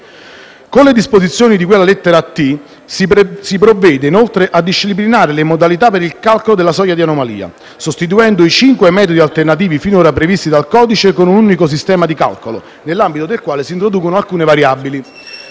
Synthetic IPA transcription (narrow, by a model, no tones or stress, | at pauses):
konled̪ispozit̪sːjoːnid̪ikwelːalet̪ːeɾat̪ːi | sipɾovːɛːd̪einolt̪ɾeʔad̪ːiʃːip̬linaːɾelemod̪alit̪apeɾilkalkolod̪elasɔjːad̪ianomalḭːa̰ | sost̪it̪̬uɛnd̪oit͡ʃiŋkwemɛːt̪od̪ialt̪ernat̪̬iːvifinoːɾapɾevist̪id̪alkɔːd̪it͡ʃekonununikos̬ist̪ɛːmad̪ika̰lkolo̰ | nelːambit̪od̪elkwaːlesiːnt̪ɾod̪uːkonoalkuːnevaɾjabili